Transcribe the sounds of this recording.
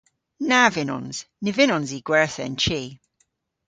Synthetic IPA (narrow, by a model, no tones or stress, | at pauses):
navɪnɔ̰nz̥nɪvɪnɔnziɡ̥wɛɹθɛ̰nt͡ʃʰiː